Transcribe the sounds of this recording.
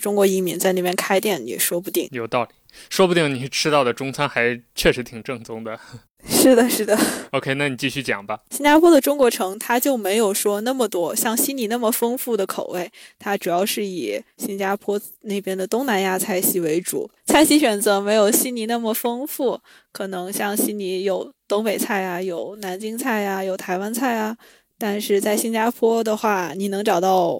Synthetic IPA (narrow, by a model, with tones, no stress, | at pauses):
ʈ͡ʂʊ˥ŋkwɔ˧˥i˥˩mi˧˥ŋt͡sa˥˧ɪne˥˩mjɛ˥nkʰa˥ɪt̪jɛ˥˩nnḭ˨˩ʂwɔ˥p̬u˧˩t̪i˥˩ŋjo˨˩ʊt̪ɑ˥˩ʊli˨˩˦ʂwɔ˥pu˧i˥˩ŋni˨˩˥ʈ͡ʂʰɻ̩˥t̪ɑ˥˩ʊd̪ə˩ʈ͡ʂʊ˥ŋt͡sʰa˥nxa˧˥ɪt͡ɕʰɥɛ˥˩ʂɻ̩˧˥t̪ʰi˨˩ŋʈ͡ʂɤ˥˩ŋt͡sʊ˥ŋd̪ə˨ | ʂɻ̩˥˩d̪ə˩ʂɻ̩˥˩d̪ə˩o˥ʊkʰe˥ɪna˥˩ni˨˩t͡ɕi˥˧ɕy˥˩t͡ɕjɑ̰˨˩ŋbɐ˦ɕi˥nt͡ɕja˥pʰwɔ˥d̪ə˨ʈ͡ʂʊ˥ŋkwɔ˧˥ʈ͡ʂʰɤ˧˥ŋt̪ʰa˥t͡ɕjo˥˩ʊme˧˥ɪjo˨˩ʊʂwɔ˥na˥˩mə˩t̪wɔ˥ɕjɑ˥˩ŋɕi˥ni˧˥na˥˩mə˩fɤ˥ŋfu˥˩d̪ə˩kʰo˨˩ʊwe˥˩ɪt̪ʰa˥ʈ͡ʂu˨˩jɑ˥˧ʊʂɻ̩˥˩i˨˩ɕi˥ŋt͡ɕa˥pʰwɔ˥ | ne˥˩ɪpjɛ˥nd̪ə˨t̪ʊ˥ŋna˧˥nja˥˧t͡sʰa˥˩ɪɕi˥we˧˥ɪʈ͡ʂṵ˨˩˦t͡sʰa˥˩ɪɕi˥ɕ̬ɥɛ˨˩nt͡sɤ˧˥me˧˥ɪjo˨˩ʊɕi˥nni˧˥na˥˩mə˩fɤ˥ŋfu˥˩ | kʰɤ˨˩nɤ˧˥ŋɕjɑ˥˩ŋɕi˥nni˧˥jo˨˩˦ʊt̪ʊ˥ŋpe˨˩ɪt͡sʰa˥˩ɪɐ˩jo˨˩ʊna˧˥nt͡ɕi˥ŋt͡sʰa˥˩ɪɐ˩jo˨˩ʊt̪ʰa˧˥ɪwa˥nt͡sʰa˥˩ɪɐ˩ | t̪a˥˧nʂɻ̩˥˧t͡sa˥˩ɪɕi˥nt͡ɕja˥pʰwɔ˥d̪ə˨xwa˥˩ni˨˩nɤ˧˥ŋʈ͡ʂɑ˨˩ʊt̪ɑ˥˩ʊ